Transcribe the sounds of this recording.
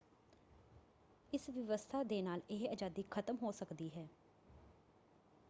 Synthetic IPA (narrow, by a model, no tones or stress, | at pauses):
ɪsʋəʋəst̪ʰaːd̪eːnaːlɪɦəd͡ʒaːd̪iːkʰət̪əmɦoːsəkd̪iːɦɛː